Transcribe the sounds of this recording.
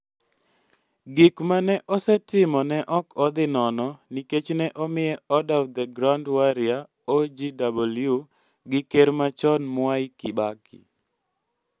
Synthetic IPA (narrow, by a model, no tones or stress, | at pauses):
ɡɪkmanɛʔɔsɛtɪmɔnɛʔɔkʰɔd̪ɪnɔnɔniket͡ʃnɛʔɔmɪjɛɔdawd̪ɛɡɾandwaɾɪa | od͡ʒidabolju | ɡɪkeɾmat͡ʃɔnmwajkibakʰɪ̰